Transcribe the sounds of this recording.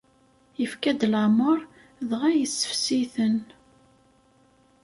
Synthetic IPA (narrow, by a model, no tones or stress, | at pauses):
jəfkæd̪ləʕməɾˤ | ðʁæjəsːə̥fsiθən